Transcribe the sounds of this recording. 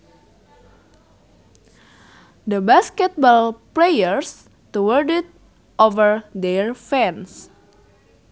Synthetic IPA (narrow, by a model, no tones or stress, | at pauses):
d̪əbaskɛt̪̚bɔlplejəɹs | t̪uwəɹdit̪̚ | ʔovəɹd̪ɛɹfɛ̃ns